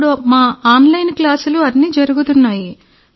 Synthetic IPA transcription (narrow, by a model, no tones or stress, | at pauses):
ɽumaːaːnlɐjnklaːsuluɐnːiːd͡ʒɐɾuɡut̪unːaːji